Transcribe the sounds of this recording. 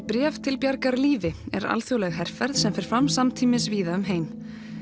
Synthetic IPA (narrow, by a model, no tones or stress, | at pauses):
pɾɛːvt̪ʰɪlpjaɾkaɾliːvɪɛ̰ɾa̰lθjowlɛɣɦɛr̥fɛɾðsɛmfɛɾ̥fɾamsamt̪ʰiːmɪsviːðaʏmɦeːjm